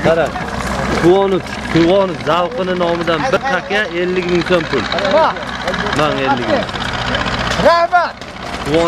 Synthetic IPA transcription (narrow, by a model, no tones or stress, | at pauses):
aɾa | kʰʊwɒnʊf | kʰʊwɒnɪfzawqɨnɪnɒmɪd̪anbɪɾt̪ʰakʲaelːɪkʲmɪŋt̪ʰonpʊl | maŋelːɪkʲɪŋ | qʰɾava | kʰʊwɒ